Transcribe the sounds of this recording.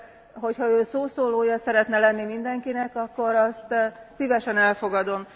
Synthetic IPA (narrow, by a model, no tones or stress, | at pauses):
ɦo̞chɒøːsoːsoːloːjɒsɛɾɛt̪nɛlɛnːimind̪ɛŋkinɛkɒkːo̞ɾɒst̪sivɛʃɛnɛlfo̞ɡɒd̪o̞m